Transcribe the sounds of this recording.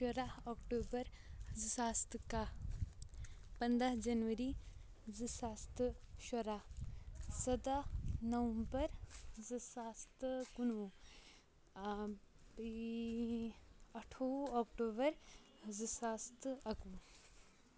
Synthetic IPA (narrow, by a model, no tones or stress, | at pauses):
ʃɐɾaɦoːkʈoːbɐɾ | zɨsaːst̪ɨka | pɐnd̪aɦd͡ʒɐnʋɐɾi | zɨsaːst̪ɨ | ʃɐɾa | sɐd̪anɐʋɐmbɐɾzɨsast̪ɨkunʋu | i | ɐʈʰoaːkʈoːbɐɾ | zɨsaːst̪ʰɨɐkʋu